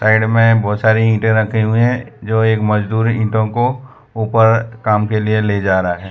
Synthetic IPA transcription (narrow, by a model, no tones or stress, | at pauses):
saːɪɖmẽbɔːt̪saːɾiĩːʈẽɾɐkʰeɦũɦɛ̃d͡ʒoːeːkmɐd͡ʒd̪uːɾĩːʈõko | uːpəɾkaːmkelieled͡ʒaːɾaɦɛː